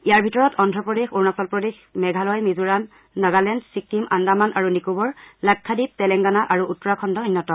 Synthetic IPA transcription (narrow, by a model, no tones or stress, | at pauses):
ijaɹbʱitɔɹɔtʰɔndʱɔpɹɔdexuɹnasɔlpɹɔdexmɛɡʱalɔjmizuɹanː | aɡalɛndsik̚timandamanʔaɹunikubɔɹlak̚tʰːadip̚tɛlɛŋɡanaʔaɹuʔutːɔɹakʰɔndɔinːɔtɔ